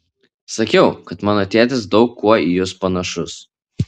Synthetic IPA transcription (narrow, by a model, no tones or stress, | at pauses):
sɐkʲɛʊkɐt̪mɑːnoːt̪ʲæːt̪ʲɪs̬d̪ɒʊkʰːuɔijʊspɐnɐʃʊs